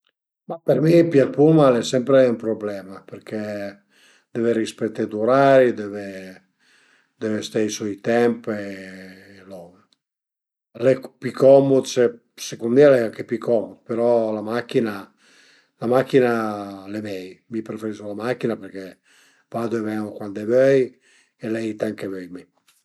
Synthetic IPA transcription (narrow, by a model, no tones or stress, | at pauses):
mapeɾmipjapumalɛsɛmpɾeumpɾoblɛmapeɾkɛ | d̪̥ɛveɾispet̪ːed̪uɾaɾid̪ɛve | d̪ɛvest̪ejsɔjit̪ɛmpe | lɔve | lɛpikʰɔmod̪se | sekund̪ialɛaŋkepikɔmod̪̚peɾɔlamakːina | lamakːinalemɛjmipɾefeɾisolamakːinapeɾkɛ | vad̪oevɛŋokwand̪ɛvøœj | elɛjt̪ɛŋkevɛjmi